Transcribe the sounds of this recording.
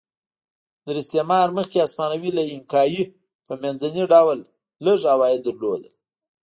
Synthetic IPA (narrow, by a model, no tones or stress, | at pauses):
d̪əɾɪst̪emɑɾməxkeasmɑnawilaɪmkɑji | pəmanzaniɖawlː | əʐawɑjɪd̪əɾlod̪al